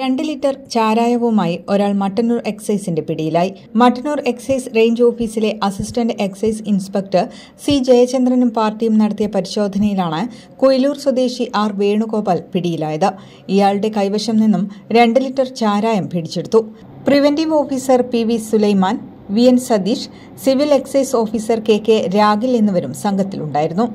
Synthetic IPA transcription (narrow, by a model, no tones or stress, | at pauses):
ɾe̞ɳɖɨlitːɐrt͡ɕaːɾaːjɐʋumaːjio̞ɾaːɭmɐʈːɐnuːre̞ksɐjsinde̞piɽijilaːji | mɐʈːɐnuːre̞ksɐjsre̞jɲd͡ʑo̞ːfiːsile̞ʔɐsistɐnɖɨe̞ksɐjsinspek̚ʈɨ | sid͡ʑejɐt͡ɕːend̪rɐnumpaːrtːijumnɐɽɐt̪ːijɐpɐɾiɕo̞ːd̪ʱɐnɐjilaːɳɨ | kujiluːrswɐd̪e̞ːɕiʔaːrʋe̞ːɳuko̞ːbaːlpiɽijilaːjɐðɨ | ijaːɭɽe̞kɐjʋɐʂɐmninːumɾe̞ɳɖɨlitːɐrt͡ɕaːɾaːjɐmpiɽit͡ɕːeɽut̪ːu | priʋendiʋo̞ːfiːsɐrpiʋisulɐjmaːn | ʋiensɐd̪iːʂ | siʋile̞kseso̞ːfiːsɐrke̞ːkːeɾaːɡilenːuʋɐɾumsɐŋɡʱɐt̪ːiluɳɖaːjiɾunːu